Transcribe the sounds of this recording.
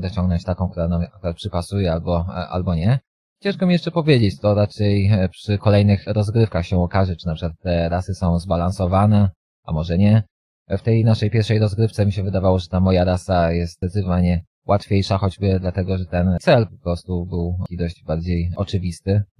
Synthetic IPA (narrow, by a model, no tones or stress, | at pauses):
d̪ɔt͡ɕɔ̃ŋɡnɔ̃ɲt͡ɕt̪akɔ̃w̃k̚t̪uɾanamakuɾat̪̚pʂɘpasujɛalbɔʔa̰lbɔɲɛ | t͡ɕɛ̃ʂkɛmʲijɛʂt͡ʂɛpɔvʲjed͡ʑet͡ɕt̪ɔɾat͡ʂɛjpʂɘkɔlɛjnɘxɾɔzɡɾɘfkaxɕɛɔkaʐɛt͡ʂɘnapʂɘ̥kwat̪ːɛɾasɘsɔ̃w̃zbalansɔvanɛ | ʔa̰mɔʐɛɲɛ | ft̪ɛjnaʂɛjpʲjɛɾfʂɛjɾɔzɡɾɘft̪sɛmʲiɕɛvɘd̪avawɔʐɛt̪amɔjaɾasajɛst̪̚d̪ɛt̪sɨt̪ɔvalɲɛ | wʔat̪fʲjejʂaxɔd͡ʑbɘd̪lat̪ɛɡɔʐɛt̪ɛnt̪sɛlpɔ̥pɾɔst̪ubɘwʲid̪ɔʑd͡ʑbaɾd͡ʑejʔɔt͡ʂɘvʲist̪ɘ